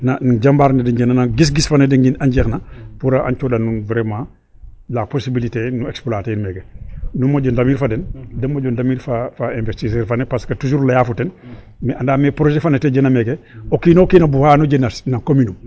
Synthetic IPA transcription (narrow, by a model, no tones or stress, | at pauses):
nanɟambaːɾnedeɲɟenanaɡis̬ɡisfanedeŋɡinaɲɟexnapuɾaʔa̰ɲt͡ʃodanunvɾemãː | laposibilitenuekspolaːtenmeːɡenumːoɟondamiːɾfadendenmoɟondamiːɾfafaẽnvestis̬eːɾfanepaskɐtud͡ʒuːɾlajaːfuten | meandaːmepɾoʒefaneteɟenameɡeokiːnokiːnɐbuhanoɟenasnakominum